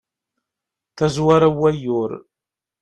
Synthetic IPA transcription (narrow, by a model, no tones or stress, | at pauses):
tʰɐzwɐɾɐwɐjoːr